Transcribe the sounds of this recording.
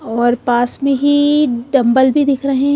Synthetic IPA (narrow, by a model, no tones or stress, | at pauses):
ɔːɾpaːsmẽɦiɖɐ̃mbəlbʱid̪ɪkʰɾɐɦẽ